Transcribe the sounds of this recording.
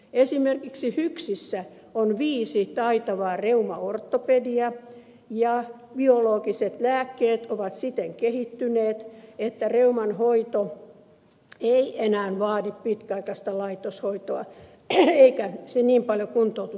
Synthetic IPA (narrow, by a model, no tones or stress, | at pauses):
esimerkiksihyksisːæ | onʋiːsit̪ɑit̪ɑʋɑːreumɑort̪ːopediɑ | jɑ | b̥ioloːkiset̪læːkːeːt̪oʋɑt̪sit̪eŋkehit̪ːyneːt̪et̪ːæreumɑnhoit̪o | eienæːnʋɑːdippit̪kæɑikɑst̪ɑlɑit̪oshoit̪oɑ̰ | eikæseniːmpɑljokunt̪out̪u